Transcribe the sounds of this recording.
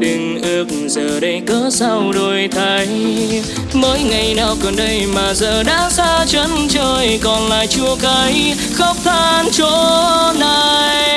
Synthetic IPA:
ɗɨ˨˩ŋʔɨ˧k̚zəː˨˩ɗə˧jkəː˨˦sa˧wɗo˨˩jt̪ʰa˨˧˩j | məː˨˦jŋa˨˩jnaː˨˧˩wkɔ˨˩nɗə˧jmaː˨˩zəː˨˩ɗa̰ː˧˥saː˧t͡ɕə˨˦nt͡ɕəː˧jkɔ˨˩nla̰ː˧˨jt͡ɕu˧əka˨˧˦j | xə˧˥wk͡p̚t̪ʰaː˧˩nt͡ɕo˧˦naː˧˨j

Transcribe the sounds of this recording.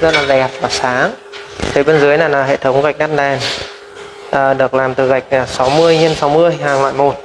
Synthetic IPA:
zə˦˥t̚laː˨˩ɗɛ˨˩p̚vaː˨˩saː˨˦ŋt̪ʰe˨˦ɓe˧nzɨ˨˦əjnaː˨˩laː˨˩ɦḛ˧˨t̪ʰə˨˦wŋ͡mkɣa˨˩jk̚ɗa˦˥t̚ɗɛː˨˩n | ʔəː˨˩ɗɨ˨˩ək̚laː˨˩mt̪ɨ˨˩ɣa˨˩jk̟̚ʔəː˨˩sa˨˦wmɨ˧əjɲe˧nsa˨˦wmɨ˧əjɦaː˨˩ŋlwa̰ː˧˨jmo˨˩t̚

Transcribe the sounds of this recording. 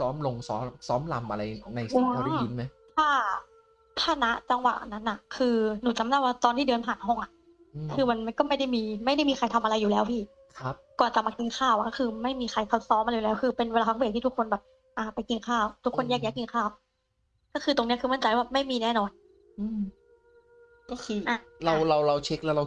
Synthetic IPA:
sɔː˦˥mlo˧ŋsɔː˦˥msɔː˦˥mla˧˩mʔa˧ɾa˧jna˧ju˧˦a˧˦i˦˥nma˦jt̪ʰaː˥˩ | t̪ʰaː˥˩na˦˥ʔt͡ɕa˧ŋwa̰˨˩ʔa˨nːa˦˥nʔa˨˩kʰɯː˧nuː˨˩t͡ɕa˧˦mnaː˥˧˩waː˧˥˩t̪ɔː˧nt̪ʰiː˥˩dɤː˧npʰaː˨˩nɦɔ˥˩ŋʔa˨˩ʔ | kʰɯː˧ma˧nma˧nkɔː˥˩ma˥˩jda˥˩jmiː˧ma˥˩jda˥˩jmiː˧kʰa˧jt̪ʰa˧mʔa˧ɾa˧jːuː˨˩lɛː˦˥wpʰiː˥˩ | kʰa˦p̚kɔː˨˩nt͡ɕa˨˩ma˧k̚t̪i˧ŋkʰaː˥˩wʔa˨˩kɔː˥˩ɯː˧ma˥˩jmiː˧xʰa˧jkʰa˧˩t̚sɔː˧˦˥mʔa˧jːu˨˩lɛː˦˥wkʰɯː˧pe˧nwe˧laː˧a˦˥be˨˩t̪ʰiː˥˩u˦˥kʰːo˧nbɛː˨˩p̚ | ʔaː˧˩pa˧jki˧ŋkʰaː˥˩wt̪ʰu˦˥kʰːo˧njɛː˥˩k̚jaː˦˥˩k̪̚ːi˧ŋkʰaː˥˩w | kɔː˥˩kʰɯː˧t̪o˧ŋni˦˥ɐkʰɯ˧ma˥˩nt͡ɕa˧jwaː˥˩ma˥˩jmiː˧nɛː˥˩nɔː˧n | ʔɯː˧m | kɔː˥˩kʰɯː˧ʔa˧˩ɾa˧wɾa˧wɾa˧wt͡ɕʰe˦˥k̚lɛ˦˥wɾa˧

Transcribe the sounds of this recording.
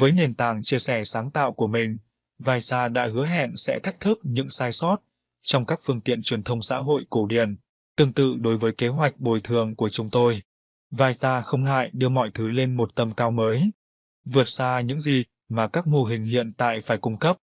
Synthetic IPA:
vəː˨˦jne˨˩nt̪aː˧˩ŋt͡ɕi˧əsɛ˧˩saː˨˦ŋt̪a̰ː˧˨wku˧˩əmï˨˩ŋ̟ | vaː˧jsaː˧ɗa̰ː˧˥hɨ˨˦əɦɛ̰˧˨nsɛ̰˧˥t̪ʰa˦˥jk̚t̪ʰɨ˦˥p̚ɲɨ̰˧˥ŋsaː˧jsɔ˦˥t̚ | t͡ɕɔ˧wŋ͡mkaː˦˥k̚fɨ˧əŋt̪ḭ˧˨ənt͡ɕwi˨˩ənt̪ʰə˧wŋ͡msa̰ː˧˥ɦo̰˧˨jko˧˩ɗi˨˩ən | t̪ɨ˧˩əŋt̪ɨ̰˧˨ɗo˨˦jvəː˨˦jke˨˦ɦwa˨˩jk̟̚ɓo˨˩jt̪ʰɨ˨˩əŋku˧˩ət͡ɕʊ˨˦ŋ͡mt̪o˧j | vaː˧jsaː˧xə˧wŋ͡mɦa̰ː˧˨jɗɨ˧əmɔ̰˧˨jt̪ʰɨ˨˦le˧nmo˨˩t̚t̪ə˧mkaː˧wməː˨˦j | vɨ˨˩ət̚saː˧ɲɨ̰˧˥ŋzi˨˩ | maː˨˩kaː˦˥k̚mo˧ɦï˨˩ŋ̟ɦḭ˧˨ənt̪a̰ː˧˨jfaː˧˩jkʊ˧ŋ͡mkə˦˥p̚

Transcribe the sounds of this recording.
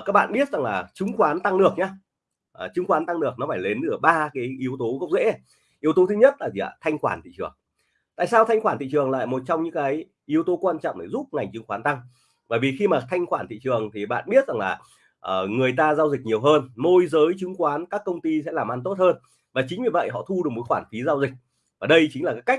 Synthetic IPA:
kaː˦˥k̚a̰ː˧˨nɓi˦˥ət̚za˨˩ŋlaː˨˩t͡ɕɨ˨˦ŋxwaː˨˦nt̪a˧ŋɗɨ˨˩ək̚ɲaː˨˧ | ʔːt͡ɕɨ˨˦ŋxwaː˨˦nt̪a˧ŋnɨ˨˩ək̚nɔ˨˦faː˧˩jle˨˦nʔɨ˧˩ɓaː˧kaː˨˦jʔi˨˦əwt̪o˨˦ɣə˦˥wk͡p̚zḛ˧˥ | ʔi˨˦əwt̪o˨˦t̪ʰɨ˨˦ɲə˦˥t̚laː˨˩zi˧˨a̰˧˩t̪ʰa˧jŋxwaː˧˩nt̪ʰḭ˧˨t͡ɕɨ˨˩əŋ | t̪a̰ː˧˨jsaː˧wt̪ʰa˧jŋ̟xwaː˧˩nt̪ḭ˧˨t͡ɕɨ˨˩əŋla̰ː˧˨jmo˨˩t̚t͡ɕɔ˧ŋ͡mɲɨ̰˧˥ŋkaː˨˦j | ʔi˨˦əwt̪o˨˦kwaː˧nt͡ɕɔ̰˧˨wŋ͡mɗe˨˩zu˦˥p̚ŋa˨˩jŋ̟t͡ɕɨ˨˦ŋxwaː˨˦nt̪a˧ŋ | vəː˧˩jvi˨˩xi˧maː˨˩t̪ʰa˧jŋ̟xwaː˧˩nt̪ʰḭ˧˨t͡ɕɨ˨˩əŋt̪ʰi˨˩ɓa̰ː˧˨nɓi˦˥ət̚za˨˩ŋlaː˨˩ | ʔəː˨˩ŋɨ˨˩əjt̪aː˧zaː˧wzi˨˩k̟̚ɲi˨˩əwɦəː˧nmo˧jzəː˨˦jt͡ɕɨ˨˦ŋkwaː˨˦nkaː˦˥kːə˧wŋ͡mt̪i˧sɛ̰˧˥laː˨˩mʔa˧nt̪o˦˥t̚həː˧n | vaː˨˩t͡ɕï˨˦ŋ̟vi˨˩və̰˧˨jɦɔ̰˧˨t̪ʰu˧ɗɨ˨˩k̚mo˨˩˦jxwaː˧˩nfi˨˦zaː˧wzï˨˩k̟̚ | vaː˨˩ɗə˧jt͡ɕï̟˦laː˨˩kaː˨˦jka˦˥k̚

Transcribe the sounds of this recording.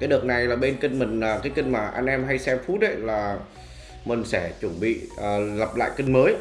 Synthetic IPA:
kaː˨˦jɗɨ˨˩ək̚na˨˩jlaː˨˩ɓe˧nkï˧ŋmï˨˩ŋ̟əː˨˩kaː˨˦jkï˧ŋ̟maː˨˩ʔa˧jŋ̟ʔɛ˧mɦa˧jsɛ˧mfu˦˥t̚hə˨˦jlaː˨˩ | mï˨˩ŋ̟sɛ˧˩t͡ɕwə˧˩nɓḭ˧˨əː˨˩lə˨˩p̚la̰ː˧˨jkï˧ŋ̟məː˨˦j

